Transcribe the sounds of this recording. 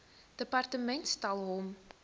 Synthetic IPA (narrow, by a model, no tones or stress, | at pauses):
d̥əpɑrtəmɛntstɑlˠɦɔm